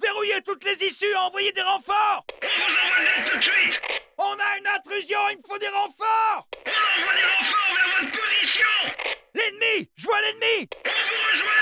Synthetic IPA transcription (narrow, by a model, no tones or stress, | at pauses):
veʁujet̪ut̪lezisyaɑ̃vwajed̪eʁɑ̃fɔʁɔ̃vuzɑ̃vɛ̃d̪ɛt̪ut̪sɥit̪ɔ̃naynɛ̃t̪χyzjɔ̃ynfod̪eʁɑ̃fɔʁɔ̃ɔ̃vwad̪eʁɑ̃fɔʁɔ̃namɔ̃d̪̚pozisjɔ̃lɛnmiʒəvwalɛnmiɔ̃vuʁəʒwɛ̃